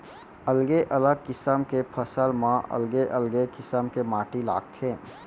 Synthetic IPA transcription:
əlɡeʔələɡ̚kɪsəmkepʰəsəlmãʔɐ̰lɡeʔəlɡekɪsəmkemaːʈila̰ːɡt̪ɦẽː

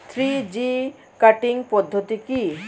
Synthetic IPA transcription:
t̪ʰɾid͡ʑi | kaʈiŋpɔd̪ʱːot̪iki

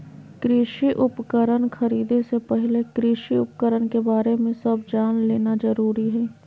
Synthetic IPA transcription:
kɾɪʃiʔʊpkəɾənkʰɐɾiːd̪esepɛɦɪlekɾɪʃiʊpkəɾənkebaːɾemẽsɐb̚d͡ʒaːnleːnazəɾuːɾiɦɛː

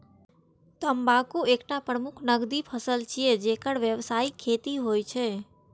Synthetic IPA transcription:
t̪əmbakuekʈapɾəmukʰnəɡd̪ipʰəsəlt͡ʃʰied͡ʒekəɽʋjəʋsaikʰːet̪iɦojt͡ʃʰe

